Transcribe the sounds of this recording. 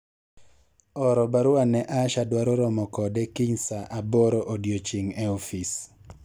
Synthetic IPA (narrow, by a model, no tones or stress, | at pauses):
ɔɾɔbaɾʊanɛʔaʃadwaɾɔɾɔmɔkɔdɛkiɲsaʔabɔɾɔʔodjot͡ʃiŋeɔfis